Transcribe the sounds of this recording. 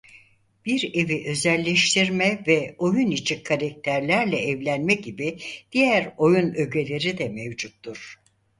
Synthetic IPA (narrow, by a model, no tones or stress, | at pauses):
b̥iɾe̞viʔø̞zɛlʲːɛʃt̪ʰiɾmɛvɛo̞junit͡ʃʰikʰːaɾak̚t̪ʰæɾlʲæɾlʲɛːvlʲænmɛɟibid̪̥ijæɾo̞junø̞ɟe̞lʲe̞ɾid̪ɛmevd͡ʒut̪ːuɾ̥